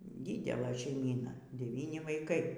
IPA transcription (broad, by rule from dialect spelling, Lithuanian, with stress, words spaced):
ˈdʲɪdʲɛlˠɘ ʃʲɛɪˈmʲiːnɐ dʲɛˈʋʲiːnʲɪ ʋɐɪˈkɐɪ